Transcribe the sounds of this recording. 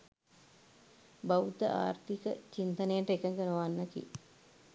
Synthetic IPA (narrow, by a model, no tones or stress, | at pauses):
bawut̪əʔa̰ːɾt̪ikət͡ʃint̪ɐnejəʈəekəŋkənəʋanːɐkḭ